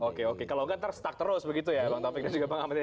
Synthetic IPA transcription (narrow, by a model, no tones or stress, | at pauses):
okeokekalawkant̪əɾʊst̪ak̚t̪əɾʊsbəɡit̪̬ujabaŋt̪ɾafɪk̚dand͡ʒuɡapəŋamat̪